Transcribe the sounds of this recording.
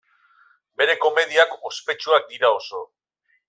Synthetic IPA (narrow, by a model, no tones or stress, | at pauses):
be̞ɾe̞ko̞me̞ð̞iako̞spe̞t͡ʃuak̚d̪iɾao̞so̞